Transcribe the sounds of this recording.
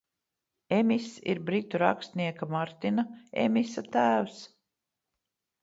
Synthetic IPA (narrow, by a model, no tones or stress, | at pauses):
emisḭɾbɾit̪uɾa̰kst̪niɛkamaɾt̪inaḛmʲisat̪æːws